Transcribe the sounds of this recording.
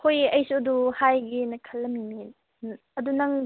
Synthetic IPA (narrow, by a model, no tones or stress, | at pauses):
kʰojɐjsuduhajɡinɐkʰɐlːɐmimin | ɐdunɐŋ